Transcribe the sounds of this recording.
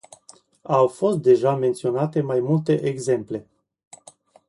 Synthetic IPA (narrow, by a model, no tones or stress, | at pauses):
awfo̞st̪̚d̪e̞ʒame̞nt̪sio̞nat̪e̞majmult̪e̞ʔeɡze̞mple̞